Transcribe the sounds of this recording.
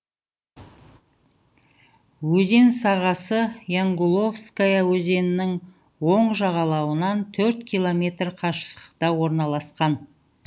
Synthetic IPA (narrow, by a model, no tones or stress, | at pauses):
wɵze̞nsɑʁɑsəjaŋɡulˠo̞fskajawɵze̞nɪnɪŋ | wo̞ɴʒɑʁɑlˠɑwənɑnt̪ʰɵɾt̪kʰʲijlˠo̞mʲe̞t̪rqʰɑʃə̥sə̥qt̪ɑwo̞ɾnɑlˠɑsqɑn